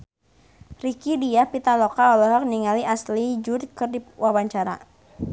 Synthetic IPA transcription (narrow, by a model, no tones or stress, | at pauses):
rikidiahpit̪alɔkaɔlɔɦɔk̚niŋaliaslid͡ʒudkɨrdiwawaɲt͡ʃaɾa̰